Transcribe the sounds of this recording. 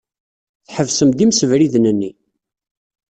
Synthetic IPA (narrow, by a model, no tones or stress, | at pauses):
θħəvsəmd̪imsəvɾiðnənːi